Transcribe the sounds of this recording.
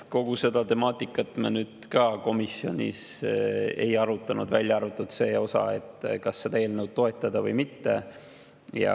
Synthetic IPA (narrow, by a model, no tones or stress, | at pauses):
ko̞ɡ̥use̞d̪ɑt̪e̞mɑːt̪ˑːikːˑɑt̪ːˑmenyːd̪̥kɑːko̞misjio̞̰nʲḭs | e̞̰jɑɾut̪ːˑɑnud̪̥vælʲjɑɑrvut̪ːˑut̪se̞ːo̞sɑ̰e̞̰t̪ːˑkɑsːed̪̥ɑeːlnewd̪̥̚t̪o̞e̞t̪ːˑɑd̪̥ɑvɤjmit̪ːe̞̰ | jɑ̰